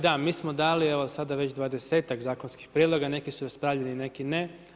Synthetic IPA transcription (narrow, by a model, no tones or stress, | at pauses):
d̪amiːsmod̪aːlieʋosad̪aʋe̞t͡ɕd̪ʋad̪e̞se̞ːt̪akzaːkonskixpɾʲijed̪lˠo̞ɡane̞kisuɾaspɾaːʋʎenine̞kine